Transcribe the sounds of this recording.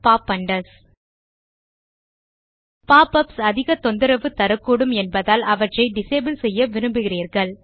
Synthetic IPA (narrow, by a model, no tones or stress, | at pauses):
paːpːɐɳɖɐs | paːpɐpsɐðɪɣɐt̪ɔnd̪ɯɾɐʋɯt̪ɐɾɯkːuːɽɯmɛnbɐðaːlɐʋɐʈrɐɪɖɪsɐːbɯlsɛjːɐʋɪɾɯmbɯɣɪriːɾɣɐɭ